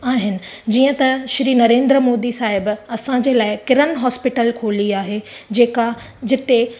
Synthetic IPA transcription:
aːɦɪnɪ̆ | d͡ʑiːə̃t̪ɐʃɾiːnɐɾẽːnd̪ɾəmoːd̪isaːɦɪbɐsãd͡ʑeːlaːɪkɪɾənɦɔːspɪʈəlkʰoːliaːɦed͡ʑeːka | d͡ʑɪt̪e

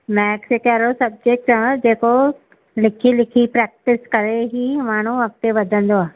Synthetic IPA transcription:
mɛːksekaːɾosɐb̚d͡ʑek̚ʈãd͡ʑeːko | lɪkʰilɪkʰipɾɛːk̚ʈɪskɐɾeɦimaːɳ̤̃uʋɐk̚t̪eʋɐd̪ʱə̃nd̪oaː

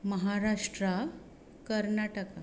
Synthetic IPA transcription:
məɦaɾaʂʈɾa | kəɾnaʈəka

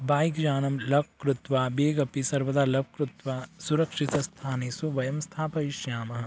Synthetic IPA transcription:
baːjikd͡ʒaːnɐmlɐb̚kɾʊt̪ʋaːbeːɡɐpisɐɾʋɐd̪aːlɐb̚kɾut̪ʋaːsuɾɐkʂit̪ɐst̪ʰaːnesuʋɐjɐmst̪ʰaːpɐiʃjaːmɐɦɐ̆

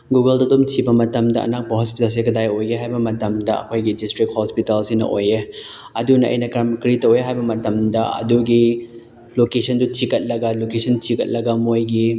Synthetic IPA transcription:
ɡuɡɐldɐtomtʰibɐmɐtɐmdɐʔɐ̰nak̚bɐɦɔspitɐls̬ikɐdajojeɦajbɐmɐtɐmdɐɐ̰kʰojɡidistɾik̚hɔspitɐlsinɐ̰ʔoje | ɐdunɐʔɐ̰jnɐkɾamkɾitɐweɦajbɐmɐtɐmdɐɐ̰duɡi | lokesʰɐndutʰikɐt̚lɐɡɐlokesɐntʰikɐt̚lɐɡɐmojɡi

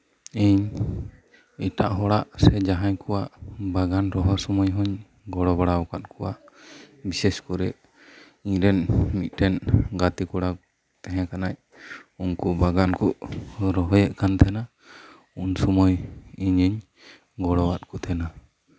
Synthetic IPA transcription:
iɲ | iʈa̰ʔɦɔɽaʔsɛd͡ʒaɦaɲkɔwaʔbaɡanɾɔɦɔsɔmɔjɦɔɲ | ɡɔɽɔbaɽawkat̪̚kʰɔwaʔ | bisɛskɔɾɛʔ | iɲɾɛnmit̪̚ˀʈɛnɡat̪ikɔɽa | t̪ɛɦɛ̃kanaʔ | unkubaɡankɔʔɾɔɦɔjɛʔkant̪ʰɛna | unsɔmɔjiɲiɲ | ɡɔɽɔwat̪̚kɔt̪ʰɛna

